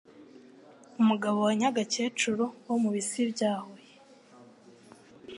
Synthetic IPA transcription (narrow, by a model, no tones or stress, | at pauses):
umuɡaβo̞waɲaɡace̞ːt͡ʃuɾowomuβisibɟaːhoje